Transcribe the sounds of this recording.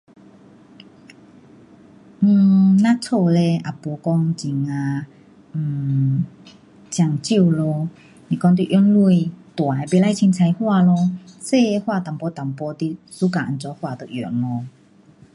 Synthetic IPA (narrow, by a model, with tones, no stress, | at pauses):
nã˦˥t͡sʰo˥˧˨le˧ʔa˨˩pɔ˧˦kɔ˦ŋt͡ɕi˨˩ŋa˧˨˩ | t͡ɕja˧˩ŋt͡ɕi˥˩˨wlo˧ | nĩ˨˧˩kɔ˧ŋt̪wḭ˧˨ʔjɔ˧˦nlu˥˧˨jt̪wa˨˧be˧˨la˧˥˨jt͡ɕʰi˧nt͡sʰa˧jhwa˥˧lɔ˧se˥˧˨hwa˥˧˨t̪a˨˩ŋpɔ˧˦t̪a˨˩ŋpɔ˧˦t̪i˧˥ | su˦ka˨a˨nt͡sɔ˧˦hwa˧˨t̪o˨ʔjɔ˨˩nlɔ˧